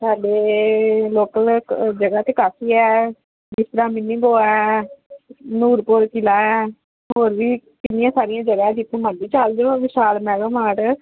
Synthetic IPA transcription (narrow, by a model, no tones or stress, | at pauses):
saːɖeː | loːkəld͡ʒəɡaːt̪eːkaːfiːɛː | bɪst̪ɾaːmɪnːĩːɡoːaɛ | nuːɾpoɾkɪlaːɛː | ɦoːɾʋiːkɪnːɪjãːsaːɾɪjãːd͡ʒəɡaːɛd͡ʒɪt̪ːẽːməɳɖiːt͡ʃald͡ʒoːʋɪʃaːlmɛːɡəmaːʈ